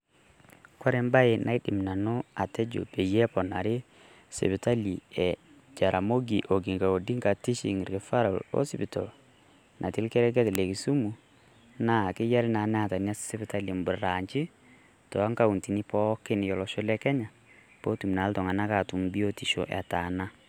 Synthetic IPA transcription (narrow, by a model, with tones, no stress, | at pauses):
kwa˦ɾɛ˦mba˦e˨nʔa̰˦i˦di˨mna˨no˦a˨tɛ˦d͡ʒo̰˨pe˨jɛ˦pɔ˨na˨ɾe˦ | sḛ˨bɪ˨ta˦li˨ɛ˨ | d͡ʒa˨ɾʔa˨mo˦ɡi˨ʔo˨ɡi˨ŋɡa˨o˨di˦ŋka˨ti˦ʃḭ˨ŋɪ˨ɾkɛ˨fa˦ɾɔ̰˨lɔ̰˦sɪ˨bi˨tɔ̰˨ | nʔa˨ti˦lkɛ˦ɾɛ˦k̬ɛ˦tlɛ˨ki˨su˦mu˨ | na˦˨kɪ˦ja˦ɾi˦na˨˦nɛ˦a˨ta˨n˦a˦se˦bɪ˨ta˦li˨mbu˨ɾa˨ɲt͡ʃi˦ | tɔ˨a˦ŋka˦u˨nti˨ni˦pɔ˦kɪ˦n˨jɔ˨lɔ˨ʃo˦lɛ˦kɛ˦ɲa˨ | pɔ˦tu˨mna˨˦ltɔ˨ŋa˨na˦ka˨tu˨mbi˦o˦ti˨ʃo̰˨ʔɛ̰˨ta˨na˦